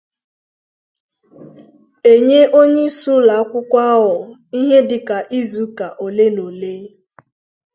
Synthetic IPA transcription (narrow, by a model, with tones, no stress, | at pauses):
e˨ɲe˦ʔo˦ɲe˦su˦la˨˦kʷʊ˦kʷa˦ɦɔ˨i˦ɦe˦dɪ˨ka˨ʔi˦zu˨ka˨ʔo˨le˦no˨le˦